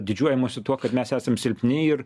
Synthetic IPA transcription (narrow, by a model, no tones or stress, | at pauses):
d̪ʲɪd͡ʒʲuɔjɛmuːsʲʊt̪uɔkɐt̪mʲæsæːsɐmsʲɪlʲpʲnʲɪɪɾ